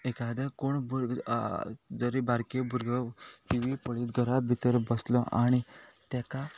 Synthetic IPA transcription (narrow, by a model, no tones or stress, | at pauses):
ekad̪akoɳbʱuɾ | d͡zəɾibaɾkebʱuɾɡəkiʋipəɭiːt̪ɡʱəɾabʱit̪əɾbəslɔʔa̰ɽ̃it̪aka